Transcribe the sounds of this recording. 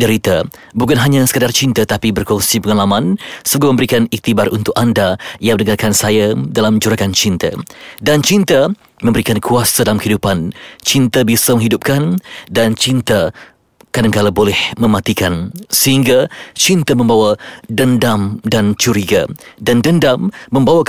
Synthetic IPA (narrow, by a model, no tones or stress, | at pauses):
dəɾit̪a | bukanɦaɲãsə̥kədart͡ʃint̪at̪apibərkɔŋsipəŋalamãnsuɡamə̃mbəɾikanik̚t̪ibarunt̪ʊkandajaŋmə̃nəŋarkansajadalamd͡ʒuɾakant͡ʃint̪a̰dant͡ʃint̪a | mə̃mbəɾikankʰuasadalamkəɦidupant͡ʃint̪abisəmə̃ŋɦidup̚kandant͡ʃint̪a | kadaŋkalabolɛhmə̃mãt̪ikansəhiŋɡat͡ʃint̪əmə̃mbawadəndamdant͡ʃuɾiɡadandəndamːə̃mbawa